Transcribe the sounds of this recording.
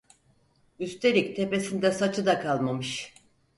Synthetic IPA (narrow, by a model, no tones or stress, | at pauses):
yst̪ʰe̞ɾʲict̪ʰe̞pe̞sind̪ɛsat͡ʃʰɯd̪akʰalˠmamɯʃ